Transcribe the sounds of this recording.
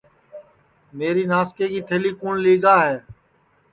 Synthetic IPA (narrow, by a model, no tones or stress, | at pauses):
meːɾiːnaːskeːɡiːt̪ʰeːliːkuːnliːɡaːɦɛː